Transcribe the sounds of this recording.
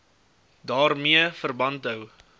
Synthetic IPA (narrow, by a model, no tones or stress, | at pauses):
dɑːrmiəfərbɐntɦəw